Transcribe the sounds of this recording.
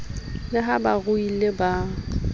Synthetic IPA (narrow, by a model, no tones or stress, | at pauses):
lɪɦabaɣʊileba